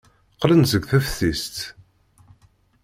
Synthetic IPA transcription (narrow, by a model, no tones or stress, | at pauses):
qlənzəɡʷθæfθist̪